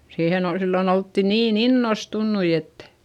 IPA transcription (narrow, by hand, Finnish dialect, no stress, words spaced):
siːhen ol silːon oltːi niːn inːostunːui etːæ̥